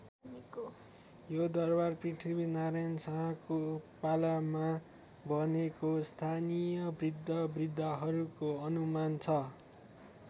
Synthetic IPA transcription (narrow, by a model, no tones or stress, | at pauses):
jod̪ʌrbarpriʈʰibinaɾajnsaɦkopalama | bʱʌnekost̪ʰanijʌbrid̪ʱːʌbrid̪ʱːʌɦʌɾukoʌnumant͡sʰʌ